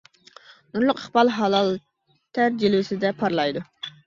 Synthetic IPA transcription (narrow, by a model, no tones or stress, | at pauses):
nuɾlˠʊqəχbɑlˠɦɑlˠɑlˠ | t̪ʰæɾd͡ʒilwɪsɪd̪ɛpʰɑɾlˠɑjd̪u